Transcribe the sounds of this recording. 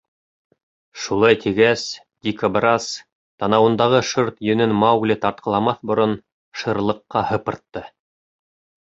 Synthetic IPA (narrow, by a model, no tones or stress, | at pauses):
ʃulˠɑjt̪ʰiɡæs | d̪ʲikɐbrɑs | t̪ɑnɑwɤ̆nd̪ɑʁɤʃɤɾt̪jɵ̆nɘnmɑwlʲɘt̪ɑɾt̪̚qʰɑ̆lˠɑmɑθbŏɾon | ʃɤ̆ɾlˠɤ̆qːɑhɤ̆pɤ̆ɾt̪ːɤ